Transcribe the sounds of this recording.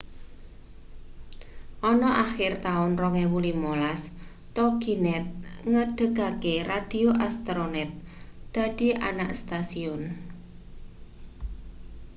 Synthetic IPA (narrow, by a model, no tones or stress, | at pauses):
ʔɔnɔʔaxɪrt̪aʊnrɔŋɛwulimolas | t̪ɔɡ̥inɛt̪̚ŋəɖ̥ə̤ɡ̥a̤kerad̪̥ioʔast̪ɾonɛt̪̚d̪̥ä̤d̥i̤ʔa̰naʔst̪asiɔn